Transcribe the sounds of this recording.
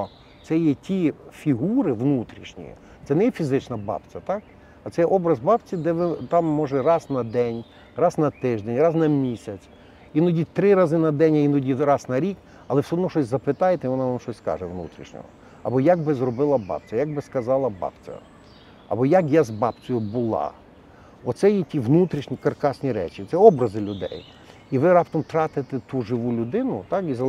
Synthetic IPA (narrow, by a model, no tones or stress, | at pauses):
t̪sɛjɛtʲʰifʲiɦuɾɪʋnut̪ɾʲiʃnʲḭ | t̪sɛnɛjɛfʲizɪt͡ʃnɐbɑ̰pt͡sʲɐt̪ɑk | ɐt̪sɛjɛʔɔbɾɐzbɑpt͡sʲid̪ɛʋɪt̪ɑmːɔʒɛrɑznɐd̪ɛnʲ | rɑznɐt̪ɪʒd̪ɛnʲrɑznɐmʲisʲɐt͡sʲ | inɔdʲit̪ɾɪɾɑzɪnɐd̪ɛnʲɐinɔdʲirɑsnɐɾʲik | ɐlˠɛwsʲɔɦɔd̪nɔʃɔsʲzɐpɪt̪ɑjet̪ɛʋɔnɑʋamʃɔsʲskɑ̰ʒɛʋnṵt̪ɾʲḭʃnʲɔ̰ɦɔ̰ | ɐ̰bɔjaɡ̚bɪzrɔbɪlˠɐbɑ̰pt͡sʲɐjaɡ̚bɪskɐzɑlˠɐbɑ̰pt͡sʲɐ̰ | ɐ̰bɔjakjazbɑpt͡sʲɔjʊbʊlˠɑ̰ | ɔt̪sɛjɛtʲiʋnut̪ɾʲiʃnʲikɐrkɑsʲnʲiɾɛ̰t͡ʃit̪sɛɔbɾɐzɪlʲʊd̪ɛ̰j | iʋɪɾɑpt̪ɔmt̪ɾɑt̪ɪt̪ɛt̪uʒɪʋulʲʊd̪ɪnʊt̪ɑkizɐ